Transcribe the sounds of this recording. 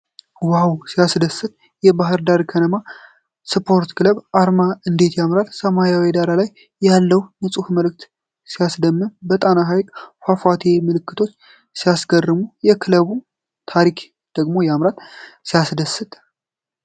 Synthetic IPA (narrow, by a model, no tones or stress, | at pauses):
wawsijasd̪əsːɨt̪ʼ | jɛbaɦɨɾd̪aɾkʰənəma | sɨpʰo̞ɾt̪kʰɨləβʔaɾmaɨnd̪e̞t̪jamɾat̪səmajawed̪aɾalajː | alːəwnəsʼufməlɨk̚t̪ | sijasd̪əmːɨnbət̪ʼanaɦajkʼfafat̪ʰemɨlɨkːɨt̪ʰo̞t͡ʃː | sijasɡərːɨmujɛkʰɨləβu | t̪ʰaɾikʰ | d̪̥əɡmo̞jamɾat̪sijasd̪əsɨt̪ʼ